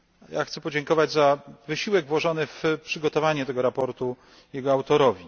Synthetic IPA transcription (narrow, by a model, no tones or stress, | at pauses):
jaxt̪sɛpɔd͡ʑɛŋkɔvad͡ʑzavɘɕiwɛɡvwɔʐɔnɘfpʂɘɡɔt̪ɔvaɲɛt̪ɛɡɔɾapɔɾt̪u | jɛɡɔawt̪ɔɾɔvʲi